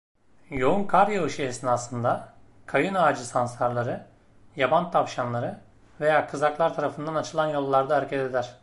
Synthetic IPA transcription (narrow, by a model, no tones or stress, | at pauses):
jo̞unkʰaɾjaɯʃɯesinasˠɯnd̪a | kʰajɯnaːd͡ʒɯsansaɾlˠaɾɯ | jabant̪ʰafʃanlˠaɾɯ | ve̞jaːkʰɯzaklˠaɾt̪ʰaɾafɯnd̪anat͡ʃʰɯlˠanjo̞lˠːaɾd̪aːɾcʰet̪e̞d̪æɾ̥